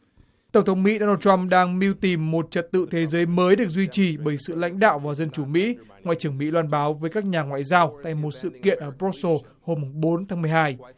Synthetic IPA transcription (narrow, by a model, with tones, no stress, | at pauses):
t̪ə˧˩wŋ͡mt̪ʰwŋ͡mmḭ˧˥ɗo˧naː˧wt͡ɕwa˧mɗaː˧ŋmi˧wt̪i˨˩mːo˨˩t̚t͡ɕə˨˩t̚t̪ɨ̰˧˨t̪ʰe˨˦zəː˨˦jməː˨˦jɗɨ˨˩ək̚zwi˧t͡ɕi˨˩ɓəː˧˩jsɨ̰˧˨la̰˧˥jŋ̟ɗa̰ː˧˨wvaː˨˩zə˧nt͡ɕu˧˩mḭ˧˥ | ŋwa̰ː˧˨jt͡ɕɨ˧˩əŋmḭ˧˥lwaː˧nɓaː˨˦wvəː˨˦jkaː˦˥k̚ɲaː˨˩ŋwa̰ː˧˨jzaː˧wt̪a̰ː˧˨jmo˨˩t̚sɨ̰˧˨kḭ˧˨ənʔəː˧˩bɾɔ˦˥t̚so˧ | ho˧mːu˨˩ŋ͡mɓo˨˦nt̪ʰaː˨˦ŋmɨ˨˩əjhaː˧j